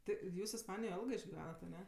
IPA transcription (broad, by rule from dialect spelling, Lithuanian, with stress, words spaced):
ˈtʲɪ ˈjuːs ɪsˈpɑːnʲɪjoːj ˈɛlˠɡɜ ɪʒʲɡʲɪˈʋʲæːnɐt ɐˈnʲɛ